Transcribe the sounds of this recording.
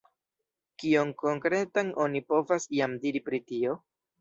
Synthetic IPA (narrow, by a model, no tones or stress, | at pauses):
kio̞ŋko̞ŋkɾe̞tano̞nipo̞vasjamdiɾipɾitio̞